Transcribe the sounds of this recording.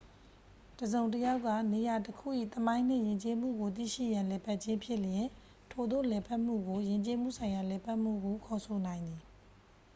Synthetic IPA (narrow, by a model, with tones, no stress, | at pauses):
təzõ˨ʊ̃ntəja˦ʊkːä̰˦˨ne˨ja˨təkʰṵ˦˨ʔḭ˦˨t̪əmã˦ɪ̃n̥ɪ̰̃˦˨jɪ̃˨ɲt͡ɕe˦mṵ˦˨ɡo˨t̪̬ḭ˦˨ʃḭ˦˨jã˨lɛ˨pʰa˦ʔt͡ɕɪ̃˦mpʰjɪ˦˨ljɪ̃˨ | tʰo˨d̪o̰˦˨lɛ˨pʰa˦ʔm̥ṵ˦˨ɡo˨jɪ̃˨ɲt͡ɕe˦mṵ˦˨sʰã˨ɪ̃ja˨lɛ˨pʰa˦ʔm̥ṵ˦˨ɡo˨kʰɔ˨sʰo˨nã˨ɪ̃nd̪ði˨